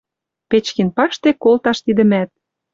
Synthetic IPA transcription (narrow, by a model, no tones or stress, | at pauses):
pet͡ɕkinpɑʃt̪ekolt̪ɑʃt̪id̪ə̆mæt̪̚